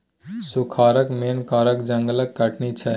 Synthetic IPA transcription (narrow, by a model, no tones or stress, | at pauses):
sukʰaːɾəkmenkaːɾəkd͡ʒə̃ŋɡələkːəʈʰnit͡ʃʰɛ